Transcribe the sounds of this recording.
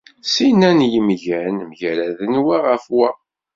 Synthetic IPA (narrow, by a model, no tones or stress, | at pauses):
sinænjəmʝænmʝæɾæðənwæʁəfwæ